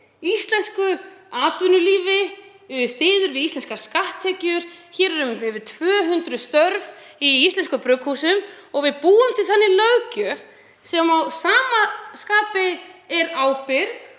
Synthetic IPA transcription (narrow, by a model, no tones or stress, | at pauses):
ist̪lɛnskʏaːt̪vʏnʏliːvɪ | st̪ɪːðʏɾvɪðist̪ɛnskḁskaht̪ʰːɛːcʏɾ̥çɛːɾɛɾʏmɪvʏt̪ʰvœːɦʏnt̪ɾʏst̪œɾv | iist̪lɛnskʏpɾʏkhuːsʏmɔɣvɪðpuːʏmt̪ʰɪlθanːɪlœɥcʏ | sɛmawsaːmaskaːpɪɛɾaːwpɪɾk